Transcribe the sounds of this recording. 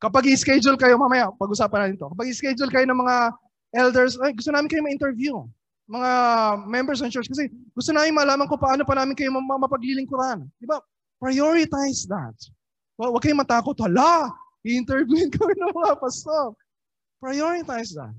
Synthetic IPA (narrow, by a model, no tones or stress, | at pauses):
kɐpaɡɪɪskɛd͡ʒʊlkɐjo̞maːmɐjapɐɡʔʊsaːpɐnaːtɪnɪt̪o̞kɐpaɡɪskɛd͡ʒʊlkɐjo̞nɐŋmɐŋa | ʔɛld̪ɛɹsojɡʊst̪onaːmɪnkɐjomɐʔɪnt̪ɛɹvju | mɐŋamɛmbɛɹs̬nɐnt͡ʃɛɹskɐsɛɡʊst̪onaːmɪnmɐlaːmɐŋkopɐʔaːnopɐnaːmɪnkɐjomɐmɐmɐpɐɡliːlɪŋkʊɾnd̪ɪba | pɹɐjoɹɪt̪ajsd̪a̰t̪̚ | wɐwɐɡ̚kɐjomɐt̪aːkot̪̚wɐlaʔɪʔɪnt̪ɛɹvjuɪnkɐjɪnɐŋmɐŋapɐsok̚ | pɹɐjoɹɪt̪ajsd̪ɐ̰t̪̚